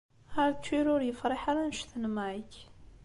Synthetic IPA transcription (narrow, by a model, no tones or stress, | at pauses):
aɾt͡sːiɾʊɾjəfɾˤiħaɾˤanəʃθənmæʕəç